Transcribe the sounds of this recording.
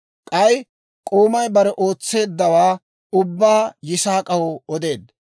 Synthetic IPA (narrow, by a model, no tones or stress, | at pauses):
kʼɐj | kʼoːmɐjbɐɾɛʔoːt͡sːe̞ːd̪ːɐwaː | ʊbːaːjɪsaːkʼɐwɔɔd̪e̞ːd̪